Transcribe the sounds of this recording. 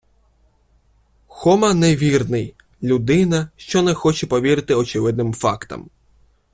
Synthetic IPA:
xɔmɐnɛʋʲirnɪj | lʲud̪ɪnɐʃt͡ʃɔnɛxɔt͡ʃɛpɔʋʲiɾɪt̪ɪɔt͡ʃɪʋɪd̪nɪmfɑkt̪ɐ̰m

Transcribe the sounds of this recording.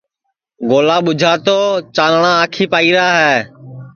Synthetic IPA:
ɡoːlaːɓʊd͡ʒʱaːt̪oːt͡ʃaːnɳãːaːkʰiːpaːiːɾaːɦɛː

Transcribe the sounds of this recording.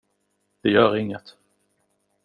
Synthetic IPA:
d̪̥ɛjœːɾɪŋːət̪

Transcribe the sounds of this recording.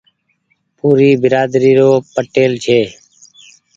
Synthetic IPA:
puːɾiːbɪɾaːd̪ɾiːɾoːpəʈeːlt͡ʃʰeː

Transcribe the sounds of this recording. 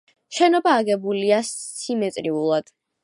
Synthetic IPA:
ʃɛnɔbaːɡɛbuliasimɛt̪sʼɾiulˠad̪̥

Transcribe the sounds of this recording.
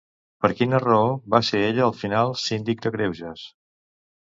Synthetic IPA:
pəɾkinərəoβaseɾeʎəːlˠfinalˠsind̪ik̚d̪əkɾewʒəs

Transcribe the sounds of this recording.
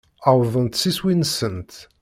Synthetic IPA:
awðə̃nt̪siswinsənt̪

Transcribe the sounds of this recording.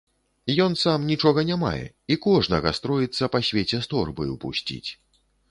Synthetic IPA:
jɔnsamnʲit͡ʂɔɣɐnʲama̰jɛ̰ | ikɔʐnɐɣɐst̪ɾɔjit̪sːɐpasʲvʲet͡sʲɛst̪ɔrbɨ̰upusʲt͡sʲḭt͡sʲ

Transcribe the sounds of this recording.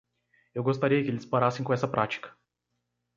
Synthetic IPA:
ewɡost̪aɾiɐkɪelɪspaɾasẽj̃kõɛsɐpɾʔat͡ʃi̥kɐ̥

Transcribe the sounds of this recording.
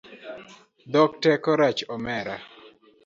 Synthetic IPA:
d̪ɔk̚tɛkɔɾat͡ʃɔmɛɾa̰

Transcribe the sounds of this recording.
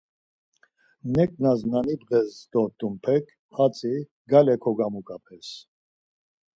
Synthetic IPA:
nɛkʼnaznanibʁɛzd̪ɔt̪ʼumpʰɛkʰ | pʰat͡sʼi | ɡalɛkʰɔɡamukʼapʰɛs

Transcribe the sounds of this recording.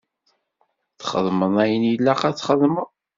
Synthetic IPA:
θχə̰ðˤməðˤæjənjəlːæqæt͡sːχəðˤmə

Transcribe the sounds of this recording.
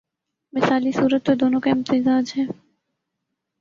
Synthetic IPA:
mɪsaːlisuːɾət̪ːod̪oːnõkaɪ̃mt̪ɪzaːd͡ʒɦɛː

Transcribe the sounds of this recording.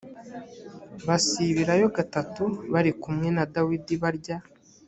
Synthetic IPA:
βasiβiɾajo̞ɡatatuβaɾikumŋe̞nadawidiβaɾɟa

